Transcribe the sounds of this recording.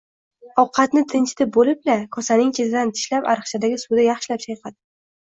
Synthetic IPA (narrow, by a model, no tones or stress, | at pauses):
ɒwqʰɑt̪nɪt̪ʰɪnt͡ʃʰt̪ʰɪbolɪplakʰɒsanɪŋt͡ʃʲʰezʰɪd̪ant̪ʰɪ̥ʃlapa̰ɾɨχt͡ʃʰad̪aɡʲɪsud̪ajɑχʃɪlap̚t͡ʃʰajqʰɑd̪